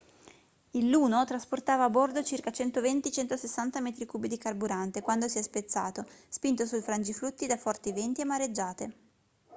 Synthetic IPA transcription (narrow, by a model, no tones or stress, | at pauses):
ilːuːnot̪ɾasport̪aːvaːbord̪ot͡ʃirkat͡ʃɛnt̪ovent̪it͡ʃɛnt̪osesːant̪amɛːt̪ɾikuːbid̪ikarbuɾant̪ekwand̪osiɛspet̪sːaːt̪ospint̪osujfɾand͡ʒifɾut̪ːid̪afɔrt̪ivɛnt̪iemːaɾed͡ʒːaːt̪e